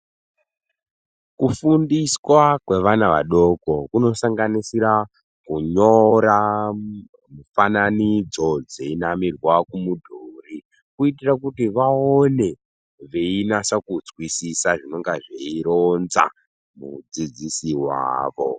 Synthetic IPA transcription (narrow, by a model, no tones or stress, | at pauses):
kufundiswakwe̞ʋanaʋa̰ɗo̞kokuno̞saŋɡanisiɾa | kuɲoɾa | mufananid͡zo̞d͡zeinamirwakumudʱuːri | kuitirakutiʋaone̞ | ʋeinasakud͡zwisisaʐino̞ŋɡaʐeiɾonza̰ | mud͡zid͡zisiwa̰ːʋo